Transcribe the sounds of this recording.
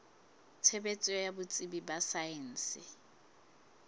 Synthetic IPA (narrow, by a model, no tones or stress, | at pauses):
t͡sʰebet͡sʼɛɔjabʊt͡sʼibibasaen̩ːsɪ